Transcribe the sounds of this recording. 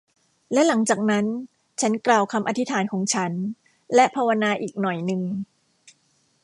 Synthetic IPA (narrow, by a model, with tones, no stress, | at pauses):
lɛ˦˥la˩˦ŋt͡ɕaː˨˩k̚na˦˥n | t͡ɕʰa˦˥nklaː˧wkʰa˧mʔa˧t̪ʰi˦˥t̪ʰaː˩˦nkʰɔː˩˦ŋt͡ɕʰa˦˥n | lɛ˦˥pʰaː˧wa˧naː˧ʔiː˨˩k̚nɔ˨˩jnɯ˨˧ŋ